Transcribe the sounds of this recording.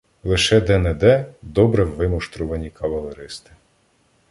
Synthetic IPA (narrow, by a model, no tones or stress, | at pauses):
lˠɪʃɛd̪ɛnɛd̪ɛd̪ɔbɾɛwʋɪmʊʃt̪ɾʊʋɐnʲikɐʋɐlˠeɾɪst̪ɪ̥